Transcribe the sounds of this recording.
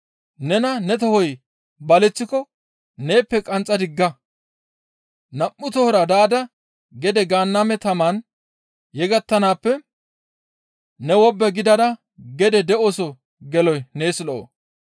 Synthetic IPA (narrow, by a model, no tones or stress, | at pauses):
nɛnɐnɛt̪ɔhɔj | bɐlɛt͡sːɪkɔ | ne̞ːpːɛkʼɐnt͡sʼːɐd̪ɪɡːɐ | nɐʔːʊt̪ɔhɔɾɐd̪aːd̪ɐ | ɡɛd̪ɛɡaːnːamɛt̪ɐman | jɛɡɐt̪ːɐnaːpːɛ | nɛwɔbːɛɡɪd̪ɐd̪ɐ | ɡɛd̪ɛd̪ɛʔosɔ | ɡɛlɔjneːslɔʔo̰